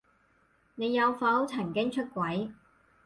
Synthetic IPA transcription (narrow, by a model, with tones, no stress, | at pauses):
ne˨˧jːɐ˨˧wfɐ˨˥wt͡sʰɐ˨˩ŋkɪ˥ŋt͡ʃʰɵ˥t̚kʷwɐ˨˥j